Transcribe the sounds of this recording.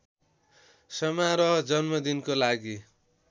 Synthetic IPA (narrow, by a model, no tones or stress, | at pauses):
sʌmaɾʌd͡zʌnmʌd̪inkolaɡi